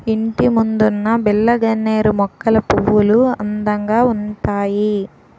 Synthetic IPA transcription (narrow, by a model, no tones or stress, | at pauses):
iɳʈimund̪unːɐbilːɐɡɐnːeːɾumɔkːɐlɐpuʋːuluɐnd̪ɐŋɡaːunt̪aːji